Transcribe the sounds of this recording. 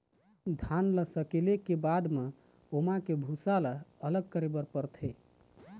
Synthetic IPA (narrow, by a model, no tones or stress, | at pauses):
d̪ʱanləsəkelekebad̪me | omãkebʱusalaələɡ̚kəɾebəɾpəɾt̪ʰə